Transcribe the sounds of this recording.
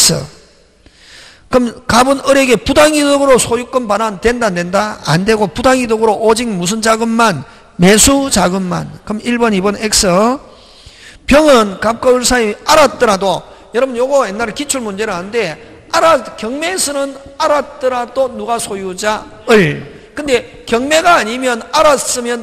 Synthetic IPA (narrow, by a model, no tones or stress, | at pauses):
s͈ʰɯ̰ | kɯmkabɯnɯɾe̞ɡe̞pudaŋidɯɡɯɾosʰojuk͈ɯnpanande̞ndandendaa̰nde̞ɡopudaŋidɯɡɯɾoʔod͡ʑiŋmus̬ʰɯnd͡ʑaɡɯmːan | me̞sʰut͡ɕaɡɯmːa̰nkɯmiɭbʌnibʌnek̚s͈ɯ | pjʌŋɯnkap̚k͈aɯɭsʰaiaɾat̚t͈ɯɾado | jʌɾʌbɯnjoɡʌjenːaɾɯɭkit͡ɕʰuɭmund͡ʑe̞ɾɯɭɦanɯnde̞ | aɾakjʌŋme̞sʰɯnɯnaɾat̚t͈ɯɾadonuɡasʰojud͡ʑa | ɯɭ | kɯnde̞ | kjʌŋme̞ɡaːɲimjʌnaɾas͈ɯmjʌn